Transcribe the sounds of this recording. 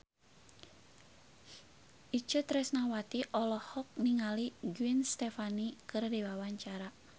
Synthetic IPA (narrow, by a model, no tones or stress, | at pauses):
ʔit͡ʃət̪ɾɛsnawat̪iʔɔlɔhɔk̚niŋaliɡuinst̪ɛfanikɨrdiwawaɲt͡ʃaɾa